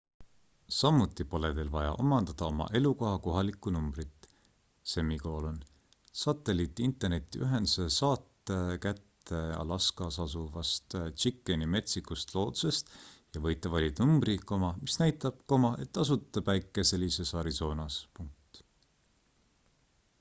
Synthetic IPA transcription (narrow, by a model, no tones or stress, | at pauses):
sɑmːut̪ːˑipo̞le̞d̪e̞lvɑjɑ̰ʔo̞̰mɑnd̪̥ɑd̪̥ɑo̞mɑ̰ʔe̞luko̞ɦɑko̞ɦɑlikːˑunumb̥rit̪ːˑ | se̞mːiko̞ːlon | sɑt̪ːˑe̞lit̪ːˑiint̪e̞rne̞t̪ːˑiʔyɦe̞nsesɑːt̪ːˑekæt̪ːe̞ɑ̰lɑskɑsɑs̬uvɑst̪t͡ʃikˑːenime̞t̪sikust̪lo̞ːd̪̥u̥se̞st̪jɑvɤjt̪ːˑɑvɑlʲid̪numbriko̞mɑmisnæjt̪ːˑɑb̥̚ko̞mɑʔe̞t̪ːˑɑs̬ut̪ːˑɑb̥æjkːˑese̞lʲːise̞sɑɾiso̞ːnɑspuŋk̚t̪